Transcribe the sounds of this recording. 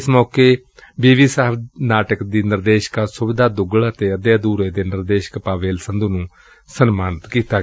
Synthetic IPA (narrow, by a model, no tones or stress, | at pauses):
ɪsmɔːkeː | biːʋiːsaːəpʰnaːʈəkd̪iːnɪɾd̪eːʃə̥kasʊbɪd̪aːd̪ʊɡəɭət̪eːəd̪jaːd̪uːɾeːd̪eːnɪɾd̪eːʃə̥kpaːʋeːlsənd̪uːnũː | sənmaːnɪt̪kiːt̪aː